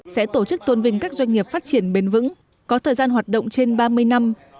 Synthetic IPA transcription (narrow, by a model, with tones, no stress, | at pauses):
sɛ̰˧˥t̪o˧˩t͡ɕɨ˦˥k̚t̪wə˧nvï˧˩ŋ̟kaː˦˥k̚zwa˧jŋ̟ŋi˨˩əp̚faː˦˥t̚t͡ɕi˧˩ənɓe˨˦nvɨ̰˧˥ŋ | kɔ˨˦t̪ʰəː˨˩jzaː˧nɦwaː˨˩t̚ɗə̰˧˨wŋ͡mt͡ɕe˧nɓaː˧mɨ˧əjna˧m